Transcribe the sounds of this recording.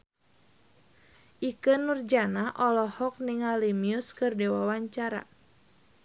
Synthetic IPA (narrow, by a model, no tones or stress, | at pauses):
ʔikənurd͡ʒanaʔɔlɔhɔk̚niŋalimiuskɨrdɛwawaɲt͡ʃaɾa̰